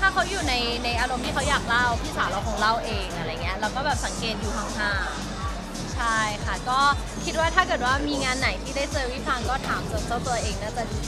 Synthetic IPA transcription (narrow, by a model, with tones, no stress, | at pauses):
t̪ʰaː˥˩kʰa˦˥wjuː˨˩na˧jna˧jʔaː˧ɾo˨˧mt̪ʰiː˥˩kʰa˦˥wjaː˨˩k̚la˥˩wp̪ʰiː˥˩saː˨˩˦wɾa˧wkʰɔː˨˩˦ŋɾa˥˩wʔeː˧ŋʔa˧ɾa˧jːŋi˦˥ɐ˧lɛː˦˥wkɔː˥˩bɛː˨˩p̚sa˩˦ŋkeː˨˩t̪̚juː˨˩aː˨˩˦ŋhaː˧˩ | t͡ɕʰa˥˩jkʰa˦˥˩kɔː˥˩ | kʰi˦˥t̪̚waː˥˩t̪ʰaː˥˩kɤː˨˩t̪̚waː˥˩miː˧ŋaː˧nːa˩˦jt̪ʰiː˥˩daː˥˩jt͡ɕɤː˧wiː˦˥˩pʰaː˧ŋkɔː˥˩t̪ʰaː˩˦mso˨˧˩nst̪u˧ɐʔeː˧ŋnaː˦˥˩t͡ɕɛ˨˩